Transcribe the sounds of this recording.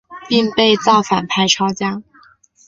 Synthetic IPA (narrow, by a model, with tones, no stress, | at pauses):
pi˥˧ŋpe˥˧ɪt͡sɑ˥˩ʊfa˨˩npʰa˥ɪʈ͡ʂʰɑ˥ʊt͡ɕja˥